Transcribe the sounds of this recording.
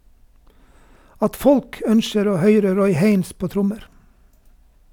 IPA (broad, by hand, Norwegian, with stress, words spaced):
ˈɑt ˈfɔlk ˈœnʃəɾ ˈoː ˈhœʏɾə ˈɾɔʏ ˈheɪns ˈpoː ˈtɾʊməɾ